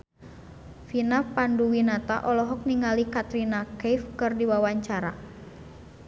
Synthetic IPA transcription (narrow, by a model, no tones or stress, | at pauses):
finapanduwinat̪a̰ʔɔlɔɦɔk̚niŋalikat̪ɾinakejfkɨrdiwawaɲt͡ʃaɾa̰